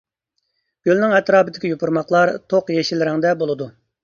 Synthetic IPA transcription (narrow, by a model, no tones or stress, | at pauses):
ɡ̥ʲølnɪŋɛt̪ɾɑːpɪd̪ɪkʲijopʰuɾmɑχlˠɑɾt̪ʰoqjɛʃilɪɾɪŋd̪ɛbolˠɨd̪u